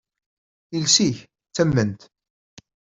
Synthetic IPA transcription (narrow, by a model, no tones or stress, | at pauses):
ilsiç | t͡sːæmːənt̪